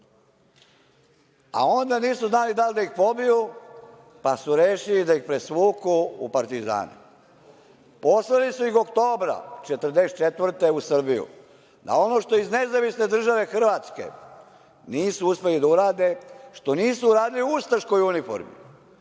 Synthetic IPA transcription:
a̰o̞nd̪aniːsuznaːlid̪ald̪aixpo̞biju | pasuɾeːʃilid̪aixpɾe̞sʋuːkuːpaɾt̪iza̰ːnṵ | po̞slelisuixo̞kt̪o̞ːbɾa̰t͡ʃet̪r̩d̪eset̪̚t͡ʃet̪ʋr̩t̪eusr̩bijṵ | d̪a̰o̞no̞ʃt̪o̞izne̞zaʋisne̞d̪r̩ʒaʋe̞xr̩ʋaːt̪ske̞̰ | niːsuuspe̞lid̪auɾaːd̪e̞ʃt̪o̞niːsuuɾaːd̪iliuust̪aʃko̞junifo̰ɾmḭ

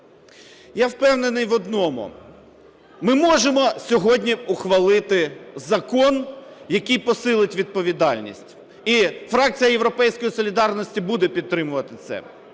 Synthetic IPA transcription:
jawpɛwnenɪjʋɔd̪nɔmʊ̰ | mɪmɔʒemɔsʲɔɦɔdʲnʲiʊxʋɐlˠɪt̪ɪzɐkɔnjɐkɨjpɔsɪlˠɪtʲʋʲid̪̚pɔʋʲid̪ɑlʲnʲḭsʲtʲ | ifɾɑk̚t͡sʲijɐje̞wɾɔpɛjsʲkɔjisɔlʲid̪ɑrnɔsʲtʲibud̪ɛpʲid̪t̪ːɾɪmʊʋɐt̪ɪt̪sɛ̰

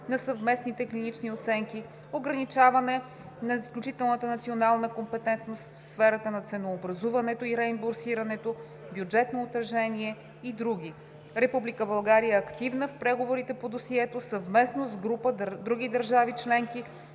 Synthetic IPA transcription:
nɐsɐvmɛsnit̪ɛklinit͡ʃniot̪sɛŋki | oɡɾɐnit͡ʃavɐnɛ | nɐisklʲut͡ʃit̪ɛlˠnət̪ənɐt̪sionalˠnəkompɛt̪ɛnt̪nost̪fsfɛɾət̪ənɐt̪sɛnoːbɾɐzuvɐnɛt̪oiɾɛimboɾsiɾɐnɛt̪o | bjud͡ʒɛt̪noːt̪ɾɐʒɛniɛ | id̪ɾuɡ̟ʲi | ɾɛpublikəbɐlˠɡaɾiɛɐkt̪ivnəfpɾɛɡovoɾit̪ɛpod̪osiɛt̪osəvmɛsnozɡɾupəd̪ɾuɡid̪əɾʒavit͡ʃlɛŋki

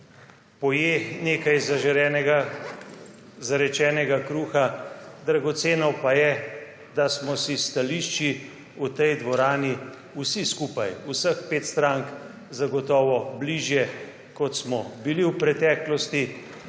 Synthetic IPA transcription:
pɔjeːneːkajzaʒɛɛɡa | zaɾɛt͡ʃɛːnɛɡakɾuːxad̪ɾaɡɔt̪seːnɔwpajɛ | d̪asmɔsist̪aliʃt͡ʃi | ut̪ɛjd̪ʋɔɾaːni | usiskuːpajusəxpeːt̪st̪ɾaŋk | zaɡɔt̪ɔːʋɔbliʒjɛ | kɔt̪smɔbiliwpɾɛt̪ɛːklɔst̪i

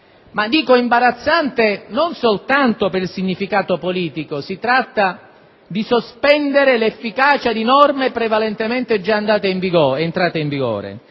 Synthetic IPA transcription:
mad̪iːkoimbaɾat̪sːant̪enonsolt̪ant̪opeɾilsiɲːifikaːt̪opoliːt̪ikosit̪ɾat̪ːa | d̪isospɛnd̪eɾelefːikaːt͡ʃad̪inɔrmepɾevalɛnt̪emɛnt̪ed͡ʒːaːnd̪aːt̪eiɱviɡɔːnt̪ɾaːt̪eiɱviɡɔ̰ːɾḛ

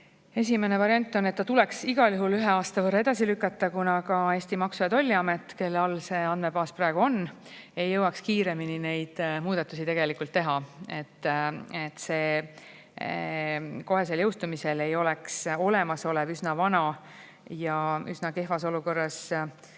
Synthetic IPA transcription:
e̞s̬ʲime̞nevɑɾiɑnʲt̪ːˑo̞nːet̪ːɑt̪ule̞ksiɡ̥ɑljuhɦulyɦe̞ɑːst̪ɑvɤrːɑe̞d̪̥ɑsilykːˑɑt̪ˑːɑkunɑkɑe̞ːsʲt̪imɑksujɑt̪o̞lʲːiɑmet̪ːˑke̞lːɑlːse̞ɑnd̪me̞bɑːspræeɡ̥uo̞nː | e̞jːɤwɑkskiːɾe̞minine̞jd̪̥muːd̪̥ɑt̪ːˑusit̪e̞ɡe̞likˑult̪ːe̞ɦɑe̞t̪ˑːet̪ːˑse̞ː | ko̞ɦe̞s̬e̞ljɤwst̪umise̞le̞jo̞lekso̞le̞mɑso̞lɛvysnɑvɑnɑ | jɑysnɑke̞ɦvɑsoluko̞rːɑs

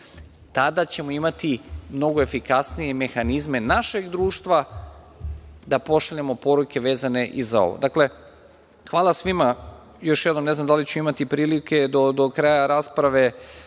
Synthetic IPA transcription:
t̪ad̪at͡ɕe̞moimat̪imno̞ɡo̞e̞fikasnije̞me̞xanizme̞naʃe̞ɡd̪ɾuːʃt̪ʋa | d̪apo̞ʃaʎemo̞po̞ɾuke̞ʋe̞ːzane̞ʔizao̞̰ʋo̰d̪akle̞ | xʋaːlˠasʋima | jo̞ʃjed̪nomneznamd̪alit͡ɕuimat̪ipɾiːlike̞d̪od̪okɾaːjaɾaːspɾaʋe̞

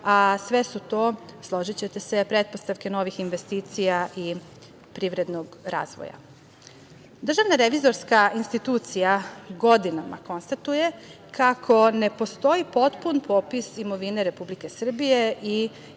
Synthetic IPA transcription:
asʋe̞sut̪o̞ːslˠo̞ʒit͡ɕet̪e̞se̞pɾe̞t̪̚po̞st̪aʋke̞no̞ʋixinʋe̞st̪iːt̪sijaʔi | pɾiʋɾe̞d̪noɡɾa̰ːzʋo̰ja̰ | d̪r̩ʒaʋnaɾe̞ʋizo̞ɾskaʔinst̪it̪uːt̪sijaɡo̞d̪inama̰ko̞nst̪at̪uje̞ | kʰakʰo̞ne̞po̞st̪o̞ipo̞t̪punpʰopisimo̞ʋine̞ɾe̞publike̞sr̩bije̞ʔi

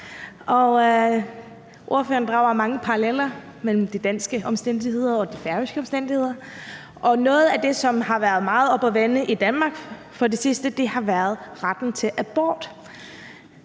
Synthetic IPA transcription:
ʔɒ̽ | ʔo̝ɐfø̰ːɐn̩d̥ʁɑ̈ʊɐmɑ̈ŋəpʰɑ̈ɑlel̰ɐ | mel̰m̩d̥id̥æn̰sɡ̥əʔɒ̽msd̥en̰d̥ihe̝ð̞̰ˠɐɒ̽d̥ifæɐʋisɡ̥əɒ̽msd̥en̰d̥ihe̝ð̞̰ˠɐ | ʔɒ̽nɔ̽ːð̞̩ˠæd̥e̝sɒ̽mhɑ̈ʋæɐð̞̩ˠmɑ̈ːð̞̩ˠɒ̽b̥ɒʋenəʔid̥ænmɑ̈ːɡ̥ | fɒ̽d̥e̝sisd̥əd̥e̝hɑ̈ʋæːɐð̞ˠʁad̥n̩t͡sʰe̝ʔæb̥ɒ̰ːd̥

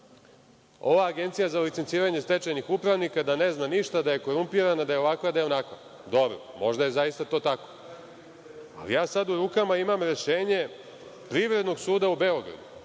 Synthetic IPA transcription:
o̞ʋaːɡe̞nt̪sijazalit̪ent̪siːɾaɲe̞st̪e̞t͡ʃanixupɾaʋnikad̪ane̞znaniʃt̪ad̪aje̞ko̞ɾumpiɾanad̪ajeo̞ʋakʋad̪aeonakʋa | d̪o̞bɾo̰mo̞ʒd̪aje̞zajist̪at̪o̞ːt̪ako̞̥ | a̰lḭjaːsad̪uɾuːkamaimamɾe̞ʃe̞ːɲe̞ | pɾiʋɾe̞d̪no̞ɡsuːd̪aube̞o̞ɡɾa̰d̪u

